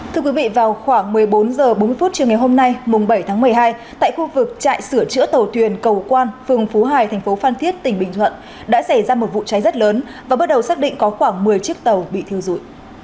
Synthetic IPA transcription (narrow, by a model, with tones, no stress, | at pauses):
t̪ʰɨ˧əkwi˨˦vḭ˧˨vaː˨˩wxwaː˧˩ŋmɨ˨˩əjɓo˨˦nzəː˨˩ɓo˨˦nmɨ˧əfu˦˥t̚t͡ɕɨ˧˩əŋa˨˩jho˧mna˧jmʊ˨˩ŋ͡mɓə˧˩jt̪ʰaː˨˦ŋmɨ˨˩əjɦaː˧j | t̪a̰ː˧˨jxu˧vɨ˨˩k̚t͡ɕa̰ː˧˨jsɨ˧˩ət͡ɕɨ̰˧˥ət̪ə˨˩wt̪ʰwi˨˩ənkə˨˩wkwaː˧nfɨ˨˩əŋfu˨˦ɦaː˨˩jt̪ʰɛ˨˩ŋ̟fo˨˦faː˧nt̪ʰi˦˥ət̚t̪ï˧˩ŋ̟ɓï˧˨ŋ̟t̪ʰwə̰˧˨n | ɗa̰ː˧˥sa˧˩jzaː˧mo˨˩t̚vṵ˧˨t͡ɕa˨˦jzə˦˥t̚ləː˨˦n | vaː˨˩ɓə˦˥t̚ɗə˨˩wsaː˦˥k̚ɗḭ̈˧˨ŋ̟kɔ˨˦xwaː˧˩ŋmɨ˨˩əjt͡ɕi˦˥ək̚t̪ə˨˩wɓḭ˧˨t̪ʰi˧əwzu˧˩˨j